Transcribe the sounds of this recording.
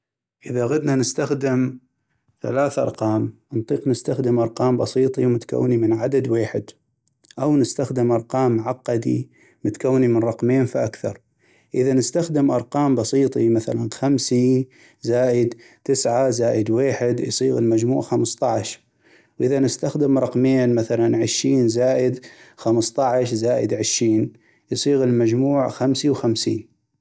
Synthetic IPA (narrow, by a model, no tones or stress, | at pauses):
ʔɪðaɣad̪nanɪst̪axd̪ɪm | θa̰laːθʔɑ̰ɾˤqɑːm | nt̪ˤiːqnɪst̪axd̪ɪmʔɑɾˤqɑːmbɑsˤiːt̪ˤimʊt̪ka̰wːnimɪnʕad̪ad̪weːħɪd̪ | ʔawnɪst̪axd̪ɪmʔɑɾˤqɑːmːʕaqːɑd̪ḭ | mʊt̪kawːnimɪnɾˤɑqmeːnfiʔakθɑ̰ɾˤ | ʔɪðanɪst̪axd̪ɪmʔɑɾˤqɑːmbɑsˤiːt̪ˤimaθa̰lanxamsi | zaːʔɪd̪ | t̪ɪsʕazaːʔɪd̪weːħɪd̪jsˤiːɣɪlmad͡ʒmuːʕxamst̪ˤɑʕʃ | wʔɪðanɪst̪axd̪ɪmɾˤɑqmeːnmaθalanʕɪʃːiːnzaːʔɪd̪xamst̪ˤɑʕʃzaːʔɪ̰d̪ʕɪʃɾiːn | jsˤiːɣɪlmad͡ʒmuːʕxamsiwxamsḭːn